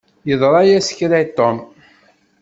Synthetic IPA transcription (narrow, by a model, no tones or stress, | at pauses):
jəðˤɾˤɑjæsə̥kːɾæt̪ːom